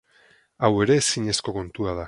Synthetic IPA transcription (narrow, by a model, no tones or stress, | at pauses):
awe̞ɾe̞ːsiɲe̞sko̞ko̞nt̪uað̞a